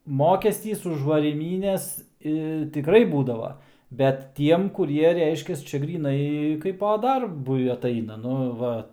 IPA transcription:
ˈmoːkʲɛsʲtʲiːs ʊʃ ʋɐrʲiːˈmʲiːnʲɛs ɪ tʲɪˈkrɐɪ ˈbuːdɐʋoː bʲɛt ˈtʲiɛm ˈkʊrʲiɛ ˈrʲɛɪʃʲkʲɛs ˈt͡ʃʲɛ ɡrʲiːˈnɐɪ ˈkɐɪpɐ ˈdɐrbʊɪ ɐtˈɐɪnɐ ˈnʊ ˈʋɐ

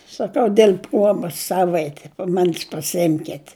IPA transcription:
sɐˈkɐʊ dʲiɛlʲ ˈpruɔbɐs ˈsɑːʋɐɪtʲɪ pɐˈmɑːnʲɪs pɐsʲɪˈɪmʲkʲɛtʲ

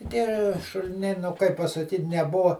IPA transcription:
tʲiɛ ʃʊlʲɪˈnʲɛɪ nʊ ˈkɐɪp pɐsɐˈkʲiːtʲ nʲɛˈbʊʋɐ

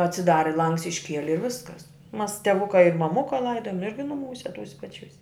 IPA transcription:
ɐtʲsʲɪˈdɑːrʲɪ ˈlˠɐŋks ɪʃʲˈkʲiɛlʲɪ ɪ ˈʋʲɪskɐs mɐs tʲɛˈʋʊkɐ ɪ mɐˈmʊkɐ ˈlˠɐɪdoːjoːm ˈɪrʲɡʲɪ nʊˈmuːsʲɛ ˈtuːsʲɛ pɐˈt͡ʃʲuːsʲ

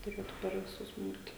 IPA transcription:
tʊˈrʲeːtʊ pʲɛr ʋʲɪˈsʊs ˈbuːt

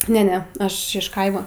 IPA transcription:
ˈnʲɛ ˈnʲɛ ˈɐʃ ɪʃ ˈkɐɪmɐ

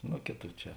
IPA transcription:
ˈnoː ˈkʲeːˌtuː ˈt͡ʃʲɛ

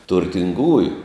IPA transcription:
tʊrʲtʲɪŋˈɡuːjʊ

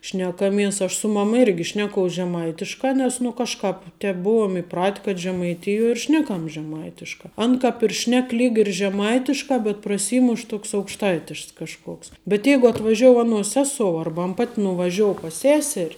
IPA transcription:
ʃʲnʲɛkɐˈmʲiɛs ɐʃ sʊ ˈmɑːmɐ ˈɪrʲɡʲɪ ˈʃʲnʲæːkoːʊs ʒʲɛˈmɐɪtʲɪʃkɐ ˈnʲɛs nʊ ˈkɑːʃˌkɑːp ˈtʲɛp ˈbʊʊɔm ɪˈprɐtʲ kɐt ʒʲɛmɐɪˈtʲɪjuɔ ɪr ˈʃʲnʲæːkɐm ʒʲɛˈmɐɪtʲɪʃkɑː ˈɐn kɐp ɪr ˈʃʲnʲɛk ˈlʲiːk ɪr ʒʲɛˈmɐɪtʲɪʃkɑː bʲɛt prɐˈsʲiːmʊʃ ˈtoːks ɐʊkʃˈtɐɪtʲɪʃks kɐʃˈkoːks bʲɛt ˈjɛɪɡʊ ɐtʋɐˈʒʲoːʊ ɐˈnuɔs ˈsʲæːsoːʊ ˈɐrbɐ ˈpɐtʲ nʊʋɐˈʒʲoːʊ pɐs ˈsʲæːsʲɛrʲ

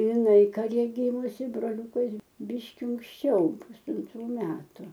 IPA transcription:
ɪˈnɐɪ kɐˈrʲɛ ˈɡʲiːmʊsʲɪ broːˈlʲuːkɐs ˈbʲiːʃʲkʲɪ ʊŋksʲˈt͡ʃʲɛʊ pʊsɐnˈtruː ˈmʲæːtʊ

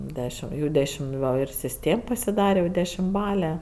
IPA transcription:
ˈdʲæːʃʲɪm jɛʊ ˈdʲæːʃʲɪm ˈɡɐlʲ ɪr sʲɪsʲˈtʲeːm pɐsʲɪˈdɑːrʲɛ jɛʊ dʲɛʃʲɪmˈbɑːlʲɛ

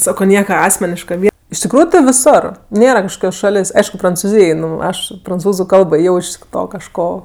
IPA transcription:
ˈsɑːkoː ˈnʲiɛkɐ ˈɑːsʲmʲɛnʲɪʃkɐ ɪʃ tʲɪkˈruːjʊ tɜ ʋʲɪˈsoːr ˈnʲeːrɐ kɐʃˈkoːkʲoːs ˈʃɑːlʲeːsʲ ˈɐɪʃkʊ prɐnt͡sʊˈzʲiːj ɪ ˈnʊ ˈɐʃ prɐnˈt͡suːzʊ ˈkɐlˠboː ˈjɛʊ ɪʃ ˈtoː kɐʃˈkoː

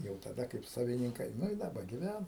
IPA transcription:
jɛʊ tɐˈdɐ kɐɪp sɐʋʲɪnʲɪŋˈkɐɪ nʊ ɪ dɐˈbɐ ɡʲɪˈʋʲænɐ

